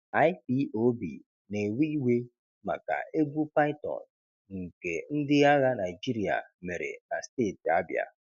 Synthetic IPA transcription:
a˦jpi˦o˦bḭ˨ | ne˨wi˦we˦ | ma̰˨ka̰˨e˦ɡu˦pa˦ɪ˦tɔ̰˨n | ŋ̩˨ke˨n̩˦dɪ˦ɣa˦ɣa˦na˨ɪ˨d͡ʒi˦ɾi˨a̰˨me˨ɾḛ˨na̰˨steː˦˨ti˨a̰˦bja̰˨

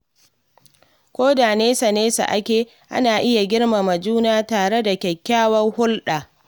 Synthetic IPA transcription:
kʷoː˦daː˨neː˦sa˨neː˦sa̰˨ʔa˦kʲeː˨ | ʔa̰˦naː˨ʔɪ˦ja˨ɡʲɪ˦ɽma˨mɐ˨d͡ʒuː˦naː˦taː˨ɽe˦da˨kʲɛ˨kʲːaː˦wɐ˦ŋhʊ˦lɗaː˨

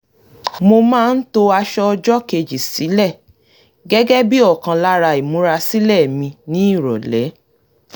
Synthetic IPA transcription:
mo˧mãː˦˧n̩˦to˧a˧ʃɔ˦ɔ˧d͡ʒɔ˦ke˧d͡ʒi˨si˨˦lɛ˦˨ | ɡɛ˦ɡɛ˦bi˦ɔ˦˨kã˧la˦ɾa˧i˨mũ˨˦ɾa˧si˦lɛ˦˨mĩ˧nĩ˨˦i˦˨ɾɔ̰˨lɛ˨˦

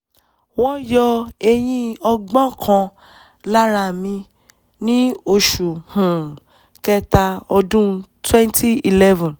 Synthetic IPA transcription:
wɔ̃˦jɔ˧e˧j̃ĩ˧ɔ˧ɡ͡bɔ̃˦kʰã˧ | la˦ɾa˧˨mĩ˧ | nĩ˦o˧ʃu˨hũ˨ | kɛ˧ta˧ɔ˧dũ˦twɛ̃˦ntʰi˦i˨lɛ˦vɔ̃˨n

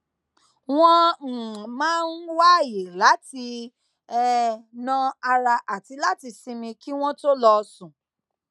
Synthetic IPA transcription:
w̃ɔ̃˦˨ | mãː˦n̩˦wa˦je˨la˨˦ti˧ | ɛ˦nã˦˧a˧ɾa˧ʔa˨ti˧la˦ti˧si˧mĩ˧ki˦w̃ɔ̃˦to˦lɔ˧sũ˨

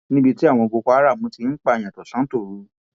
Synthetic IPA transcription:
nĩ˦bi˧ti˦a˦˨w̃ɔ̃˧ɡo˧kɔ˧a˦ɾa˦˨mũ˧ti˧n̩˦k͡pa˦˧˨j̃ã˨tɔ˨sã˨˦to˦˨ɾu˨˦

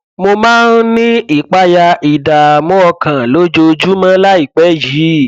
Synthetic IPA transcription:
mo˧mãː˦n˦nĩ˦i˦˨k͡pa˦ja˧i˨da˨mɔ̃˦ɔ˧kã˨lo˨˦d͡ʒo˧d͡ʒu˦mã˦la˦i˦˨k͡pɛ˨˦ji˨˦

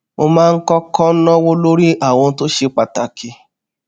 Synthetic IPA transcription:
mo˧mãː˦˧n̩˦kɔ˦kɔ˦nɔ̃˦wo˦lo˦ɾi˦ʔa˦˨w̃ɔ̃˧˦to˦ʃe˧k͡pa˨ta˨ki˧

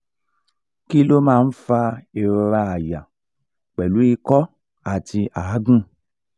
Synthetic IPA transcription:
ki˦lo˦mãː˦˧n̩˦fa˧e˨ɾo˧ɾa˧a˨ja˨ | k͡pɛ˨lu˨˦i˧kɔ˦ | a˨ti˧ʔa˨˦ɡũ˦

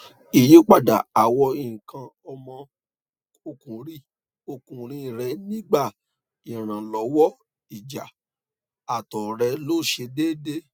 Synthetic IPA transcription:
i˨je˨˦k͡pa˦˨da̰˨a˨wɔ˧i˨kã˧ | ɔ˧mɔ̃˧ | o˧kũ˨ɾi˦˨ | o˧kũ˨ɾ̃ĩ˧˨ɾɛ˧nĩ˦ɡ͡ba˦˨ | i˨ɾ̃ã˨lɔ˨˦wɔ˦ | i˨d͡ʒa˨ | a˨tɔ˨ɾɛ˧lo˦˨ʃe˧de˦de˦

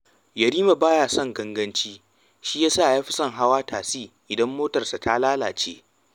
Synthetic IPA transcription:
jɐ˨ɾiː˦ma˨baː˦jaː˨sɐ˦ŋɡɐ˦ŋɡɐ˦nt͡ʃiː˦ | ʃiː˦jaː˦saː˦˨jaː˦ɸɪ˦sɐ˦˨ŋɦa˦waː˦taː˨siː˦˨ʔɪ˨dɐ˦mːoː˦tɐ˨rsa˨tʰa˦laː˦la̰ː˨t͡ʃḛː˦

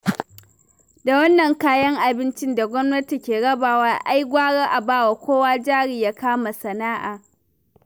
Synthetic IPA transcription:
da˨wɐ˦nːɐ˨ŋkaː˦jɐ˦ŋʔa˨bɪ˦nt͡ʃɪ˦nda˨ɡʷɔ˦mnɐ˦ti˨kʲeː˨ɽɐ˦baː˨waː˦ʔa˦jɡʷaː˦ɽaː˦ʔa˨baː˦wa˨kʷoː˦waː˦d͡ʒaː˦ɽiː˨jaː˦kaː˦ma˨sɐ˨naː˦ʔaː˨

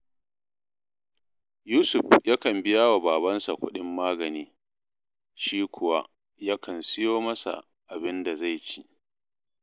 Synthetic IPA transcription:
juː˦sʊ˨ɸja˦kɐ˨mbɪ˦ja˦wa˨baː˨bɐ˦nsa˨kʷʊ˦ɗɪ˦mːaː˦ɡɐ˨niː˦ | ʃiː˦kʷʰʊ˨wa˦ʔ | ja˦kʰɐ˨nsɪ˦joː˦mɐ˦sa̰˨ʔ | ʔa˨bɪ˦nda˨za˦˨jt͡ʃi˦ʔ

